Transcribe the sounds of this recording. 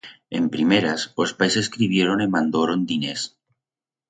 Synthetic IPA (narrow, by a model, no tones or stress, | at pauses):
empɾimeɾasospajseskɾiβ̞jeɾonemãnd̪oɾond̪ines